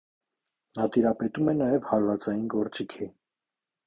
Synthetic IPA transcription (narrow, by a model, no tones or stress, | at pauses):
nɑt̪iɾɑpɛt̪umɛnɑjɛvhɑɾvɑt͡sɑjinɡɔɾt͡sikʰi